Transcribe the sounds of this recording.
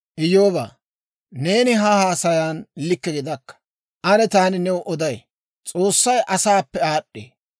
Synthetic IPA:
ʔɪjoːba̰ː | ne̞ːnɪɦɐhaːsɐjaːnlɪkːɛɡɪd̪ɐkːɐ̥ | ʔɐnɛt̪aːnɪnɛwɔʔɔd̪ɐj | t͡sʼo̞ːsːɐjʔɐsaːpːɛaːɗːḛː

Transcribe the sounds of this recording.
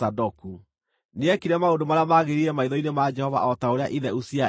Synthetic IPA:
adɔku | neɛkiɾɛmaondomaɾeamaɣeɾiɾɛmaiðɔinemad͡ʒɛhɔva̰ɔtaoɾeaʔiðɛusia

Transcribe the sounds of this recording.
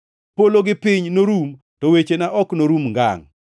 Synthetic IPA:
poloɡɪpɪɲnoɾum | tɔwet͡ʃenaʔɔknoɾumŋɡa̰ŋ

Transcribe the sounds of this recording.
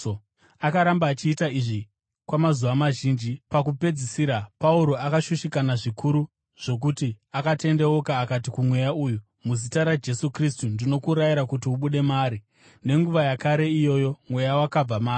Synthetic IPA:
akaɾambaːt͡ʃiːtaiʐi | kwamazuʋamaʒind͡ʒipak̬upe̞d͡zisiɾapauɾo̞akaʃuʃikanaʐikʰuɾu | ʐ̥o̞k̬utiakate̞nde̞wokaːkatikumwe̞jauːju | muzitaɾad͡ʒe̞sukristundino̞kuɾajiɾakutiuɓuɗe̞maːɾi | ne̞ŋɡuʋajakaɾe̞ijo̞jo̞mwe̞jawakab͡vamaːri

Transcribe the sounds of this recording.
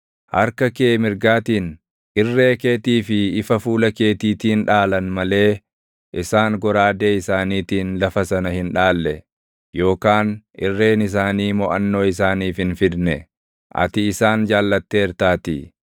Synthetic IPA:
hɐɾkɐke̞ːmɪɾɡaːt̪iːn | ɪrːe̞ːke̞ːt̪iːfɪɪfɐfuːlɐke̞ːt̪iːt̪iːnᶑaːlɐnmɐle̞ː | ʔɪsaːŋɡɔɾaːd̪e̞ːɪsaːniːt̪iːnlɐfɐsɐnɐhɪnᶑaːlːɛ | jo̞ːkaːnʔɪ̰rːe̞ːnɪs̬aːniːmɔʔɐnːo̞ːɪsaːniːfhɪnfɪd̪nɛ | ʔɐ̰t̪ɪɪsaːnd͡ʒaːlːɐt̪ːe̞ːɛɾt̪aːt̪ḭ

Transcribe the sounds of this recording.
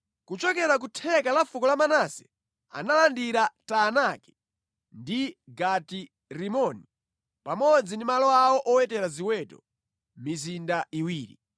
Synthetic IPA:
kut͡ʃɔkɛɾak̬utʰɛkalafukɔlamanasɛ̥̰ | a̰nalandiɾatanakɛ̥ | ndiɡati | ɾimɔni | pamɔd͡zindimalɔawɔʔɔwɛtɛɾaziwɛtɔ̰ | mizindaʔiwiːɾḭ

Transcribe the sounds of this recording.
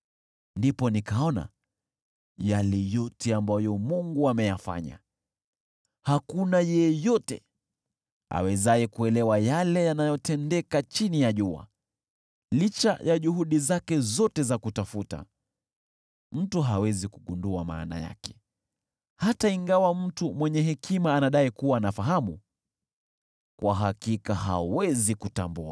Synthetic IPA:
ndipɔnikaɔna̰ | jalɛjɔtɛambajɔmuŋɡuamɛjafa̰ɲa̰ | hakunajɛjɔtɛ̰ | a̰wɛzaɛkuɛlɛwajalɛjanajɔtɛndɛkat͡ʃinijaʄua̰ | lit͡ʃa̰jaʄuɦuɗizakɛzɔtɛzakutafuta̰ | m̩tuɦawɛzikuɠunduama̰ːna̰ja̰kɛ̥ | hataiŋɡawam̩tumwɛɲɛɦɛkimaːnaɗaikuwaːnafaɦamu | kwʔaɦakikaɦa̰wɛzikutambua̰

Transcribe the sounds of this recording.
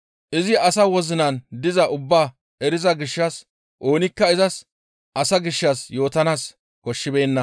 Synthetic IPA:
ʔɪzɪɐsɐwɔzɪnɐnd̪ɪzɐʔʊbːaː | ɛɾɪzɐɡɪʃːɐs | ʔo̞ːnɪkːɐɪzɐs | ʔɐsɐɡɪʃːɐsjo̞ːt̪ɐnaːs | kɔʃːɪbe̞ːnːɐ

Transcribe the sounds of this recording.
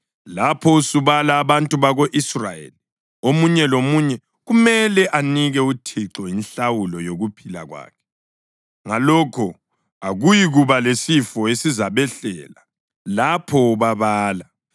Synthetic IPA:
lapʰɔusuβalaːβantʼuβaɣoʔisrajḛli | omuɲɛlomuɲɛ | ɣumɛlɛʔaniɣɛutʰiǁɔjinɬawulɔjoɣupʰila̰ɣwa̰ːkʰɛ̥ | ŋalɔkʰɔ | aɣujiɣuβalesifɔesizaβɛɬɛ̰ːla | lapʰɔβaβaːla

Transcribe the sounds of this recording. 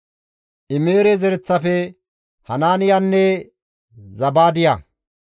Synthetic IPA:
ʔɪmeːɾɛzɛɾɛt͡sːɐfɛ | hɐnaːnɪjanːɛ | zɐbaːd̪ɪja

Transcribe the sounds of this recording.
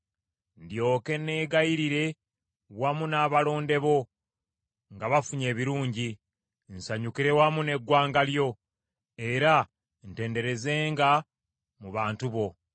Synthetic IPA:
ndjo̞ːke̞ne̞ːɡajiɾiɾe̞ | wamunaːβalo̞ːnde̞βo̞ | ŋɡaβafuɲe̞ːβiɾuːɲɟi | nsaɲukiɾe̞wamune̞ɡwaːŋɡaljo̞ | e̞ɾa | nte̞ːnde̞ɾe̞ze̞ːŋɡa | muβaːntuβo̞

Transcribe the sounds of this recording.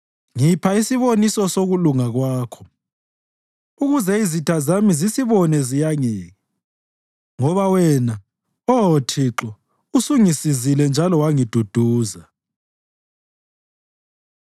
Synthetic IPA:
ŋipʰaisiβonisɔsoɣuluŋaɣwaːkʰɔ̥ | uɣuzɛizitʰazamizisiβɔnɛzijaŋɛːŋɛ | ŋɔβawɛna | ɔɔtʰiǁɔ | usuŋisizilɛnd͡ʒʱalɔwaŋid̥ʱud̥ʱuːza

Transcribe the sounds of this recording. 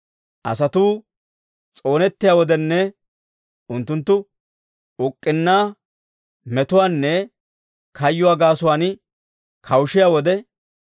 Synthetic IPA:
ʔɐ̰sɐt̪uː | t͡sʼo̞ːnɛt̪ːɪjaːwɔd̪ɛnːɛ | ʊnt̪ːʊnt̪ːʊ | ʊkʼːɪnːaː | mɛt̪ʊwaːnːɛ | kʰɐjːʊwaːɡaːsʊwaːn | kʰɐwʃɪjaːwɔd̪ɛ

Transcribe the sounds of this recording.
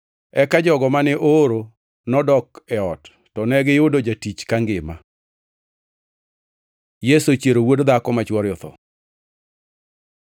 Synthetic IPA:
ɛkad͡ʒɔɡɔmanɛʔoɾo | nɔdɔkɛɔtː | ɔnɛɡɪjʊdod͡ʒatit͡ʃkaŋɡɪma̰ | jesot͡ʃjeɾowodd̪akɔmat͡ʃwɔɾjɔt̪ɔ̰

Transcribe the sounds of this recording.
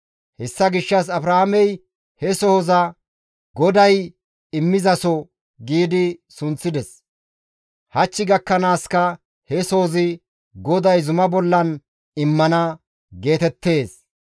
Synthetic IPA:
hɛsːɐɡɪʃːɐs̬ɐbɾɐhamɛj | hɛsɔhɔzɐ | ɡɔd̪ɐj | ɪmːɪzɐsɔ | ɡiːd̪ɪsʊnt͡sːɪd̪ɛs | hɐt͡ʃːɪɡɐkːɐnaːskɐ | hɛsɔhɔzɪ | ɡɔd̪ɐjzʊmɐbɔlːɐn | ɪmːɐnɐ | ɡe̞ːt̪ɛt̪ːe̞ːs

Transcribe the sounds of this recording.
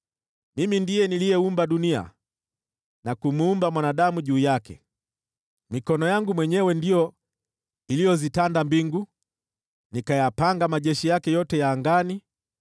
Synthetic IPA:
mimindijɛnilijɛumbaɗunia̰ | nakumuumbamwanaɗamuʄuːjakɛ̰ | mikɔnɔjaŋɡumwɛɲɛwɛndijɔ | ilijɔzitandambiŋɡu | nikajapaŋɡamaʄɛʃijakɛjɔtɛjaːŋɡani

